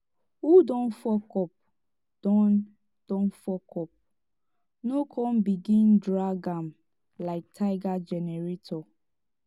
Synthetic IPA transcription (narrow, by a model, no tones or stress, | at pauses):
hudɔ̃nfɔkɔp̚ | d̥ɔ̃n | d̥ɔ̃nfɔkʰɔp̚ | nokʰɔ̃nbiɡĩndɹaɡãm | laɪk̚tʰaɪɡad͡ʒɛnɛɹetʰɔ